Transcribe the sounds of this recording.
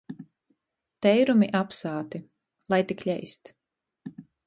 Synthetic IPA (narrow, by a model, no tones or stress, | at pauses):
t̪ɛjɾumiʔapsaːt̪i | lˠajt̪iklʲɛjst̪